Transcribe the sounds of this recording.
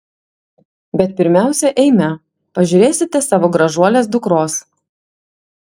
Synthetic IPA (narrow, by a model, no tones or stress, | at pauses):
bʲɛt̪̚pʲɪɾʲmʲæˑʊsʲɛʔɛɪmʲɛ | pɐʒʲʊɾʲeːsʲɪt̪ʲɛsɑːʋoːɡɾɐʒuɔlʲeːs̬d̪ʊkɾoːs